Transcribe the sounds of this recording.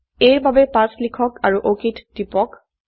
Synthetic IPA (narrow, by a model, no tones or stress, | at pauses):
eɹbabɛpãslikʰɔkaɹuʔokitd̥ipɔk